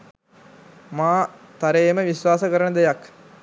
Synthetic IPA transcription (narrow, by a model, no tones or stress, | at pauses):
maːt̪aɾeːməʋisʋaːsəkəɾənəd̪ejak